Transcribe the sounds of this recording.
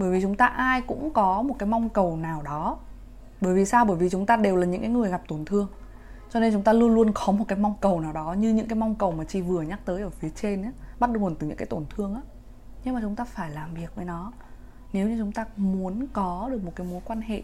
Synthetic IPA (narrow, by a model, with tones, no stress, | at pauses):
ɓəː˧˩jvi˨˩t͡ɕʊ˨˦ŋ͡mt̪aː˧ʔaː˧jkʊ̰˧˥ŋ͡mkɔ˨˦mo˨˩t̚kaː˨˦jma˧wŋ͡mkə˨˩wnaː˨˩wɗɔ˨˦ | ɓəː˧˩jvi˨˩saː˧wɓəː˧˩jvi˨˩t͡ɕʊ˨˦ŋ͡mt̪aː˧ɗe˨˩wlaː˨˩ɲɨ̰˧˥ŋkaː˨˦ŋɨ˨˩əjɣa˨˩p̚t̪o˧˩nt̪ʰɨ˧əŋ | t͡ɕɔ˧ne˧nt͡ɕʊ˨˦ŋ͡mt̪aː˧lu˧ənlu˧ənkɔ˨˦mo˨˩t̚kaː˨˦jma˧wŋ͡mkə˨˩wnaː˨˩wɗɔ˨˦ɲɨ˧ɲɨ̰˧˥ŋkaː˨˦jm˧wŋ͡mkə˨˩wmaː˨˩t͡ɕi˧˩vɨ˨˩əɲa˦˥k̚t̪əː˨˦jʔəː˧˩fi˨˦ət͡ɕe˧nː˨˦ɓt̚ɗŋo˨˩nt̪ɨ˨˩ɲɨ̰˧˥kaː˨˦t̪o˧˩nt̪ʰɨ˧əŋʔaː˨˦ | ɲɨ˧ŋmaː˨˩t͡ɕʊ˨˦ŋ͡mt̪aː˧faː˧˩jlaː˨˩mvi˨˩ək̚vəː˨˦jnɔ˨˦ | ne˨˦wɲɨ˧t͡ɕʊ˨˦ŋ͡mt̪aː˧mu˨˦ənkɔ˨˦ɗɨ˨˩ək̚mo˨˩t̚kaː˨˦jmo˨˦jkwaː˧nhḛ˧˨ʔ